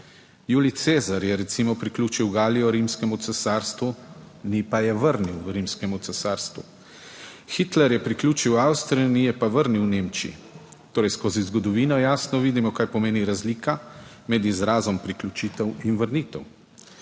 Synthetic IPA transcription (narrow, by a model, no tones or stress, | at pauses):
juːlit̪seːzaɾjɛɾɛt̪simɔpɾiklʲuːt͡ʃiwɡaːlijɔɾimskɛmut̪sɛsaːɾst̪ʋu | nipajɛʋəɾniwɾimskɛmut̪sɛsaːɾst̪ʋṵ | xit̪lɛɾjɛpɾikluːt͡ʃiwawst̪ɾijunijɛpaʋəɾniwneːmt͡ʃiḭt̪oːɾɛjskoːzizɡɔd̪ɔʋiːnɔjaːsnɔʋiːd̪imɔkaːjpɔmeːniɾazliːka | mɛd̪izɾaːzɔmpɾiklʲut͡ʃiːt̪ɛwinʋəɾniːt̪ɛw